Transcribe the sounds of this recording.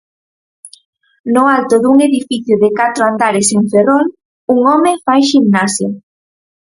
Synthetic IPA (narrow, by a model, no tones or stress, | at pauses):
nʊalt̪ʊðuŋeðifiθjʊðɪkat̪ɾoand̪aɾeseɱferol | uŋɔmefajʃimnasjo